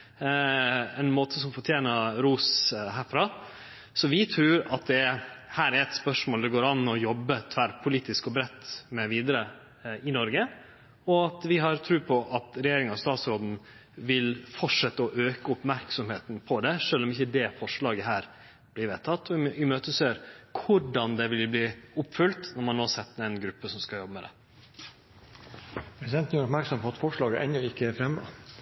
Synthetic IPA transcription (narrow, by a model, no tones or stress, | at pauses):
ɛnmoːt̪ʰəsɔmfɔʈʰjeːnəɾuːsɦæːɾfɾɑː | sɔʋɪt̪ʰɾʉːɾɑt̪̚d̪ɛhæːɾæɾɛt̪spœʂmoːld̪ɛɡoːɾɑnːɔjɔbːət̪ʰʋæɾpʰʊliːt̪ɪskɔbɾɛt̪ːmɛʋiːd̪əɾə | ɪnɔɾɡə | ɔɑt̪ʋɪɦɑɾt̪ʰɾʉːpʰɔʔɑt̪ɾɛjeːɾɪŋɑʋst̪ɑːt̪sɾoːd̪n̩ | ʋɪlfɔʂɛt̪ːəɔʔøːkəʊpmæɾksɔmheːt̪npʰɔd̪ɛʂøːlɔmɪçːəd̪ɛfɔʂɭɑːɡəɦæːɾ | b̥lɪɾʋɛːt̪ʰːɑt̪ʰːɔɪmøːt̪əsøːɾkʰʊɖɑnd̪ɛʋɪlbliːʊpːfʏlt̪nɔɾmɑnːoːɑsɛt̪ːəɾɛɪnɡɾʉpːəsɔmskɑjɔbəmɛd̪ɛ̰ | pʰɾɛsɪd̪ɛnt̪n̩jæɾʊpmæɾksɔmpʰɔɑt̪fɔʂɭɑːɡəʔɛ̰nɔɪkːəɛfɾɛmːə̰